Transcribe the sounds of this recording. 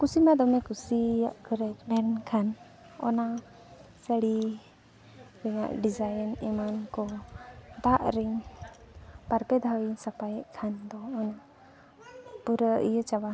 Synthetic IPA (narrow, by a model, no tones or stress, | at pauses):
kusimad̪ɔmɛkusiaʔkəɾɛknɛnkʰan | ɔ̰na | səɽi | ɾɛŋa̰ʔɖizajənimankɔ | d̪aʔɾɛŋ | paɾpɛd̪ʱawisapajɛʔkʰand̪ɔːna | puɾəijət͡ʃawa